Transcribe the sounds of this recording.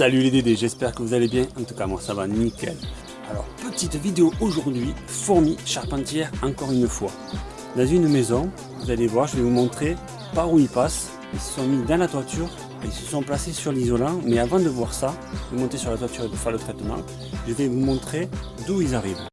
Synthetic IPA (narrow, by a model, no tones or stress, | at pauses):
salyled̪ed̪eʒɛspɛʁkəvuzalebjɛ̃ɑ̃t̪ukamwasavanikɛ̰l | alɔ̰ʁpət̪it̪vid̪eoʔoʒuʁd̪ɥi | fuʁmiʃaʁpɑ̃t̪jɛʁɑ̃kɔʁynəfwa | d̪ɑ̃zynmezɔ̃ | vuzalevwaʁʒəvɛvumɔ̃t̪χe | paʁuilpas | ilsə̥sɔ̃mid̪ɑ̃lat̪wat̪yʁ | eilsə̥sɔ̃plasesyʁlizɔlɑ̃mɛavɑ̃d̪əvwaʁsaʒəvəmɔ̃t̪esyʁlat̪wat̪yʁed̪əfɛʁlət̪χɛt̪əmɑ̰̃ | ʒəvɛvumɔ̃t̪χed̪uilzaʁiv